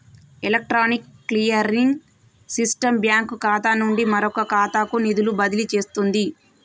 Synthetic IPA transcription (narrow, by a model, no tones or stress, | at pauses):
elɐk̚ʈɾaːnikːlijɐɾiŋ | sisʈɐmbjaːŋkukaːt̪aːnuɳɖimɐɾɔkɐkaːt̪aːkunid̪ulubɐd̪ilit͡ʃe̞ːst̪und̪i